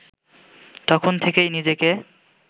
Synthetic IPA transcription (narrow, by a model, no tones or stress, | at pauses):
t̪ɔkʰont̪ʰekejnid͡ʑeke